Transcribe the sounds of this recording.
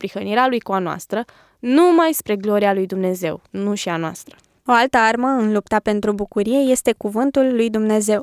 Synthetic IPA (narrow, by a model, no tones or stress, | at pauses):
pɾixəniɾealujkuanoa̰st̪ɾə | numajspɾe̞ɡlo̞ɾialujd̪umne̞ze̞̰wnuʃianoa̰st̪ɾə | o̞alt̪əarməɨnlupt̪ape̞nt̪ɾubukuɾije̞je̞st̪e̞kuvɨnt̪ulːujd̪umne̞ze̞w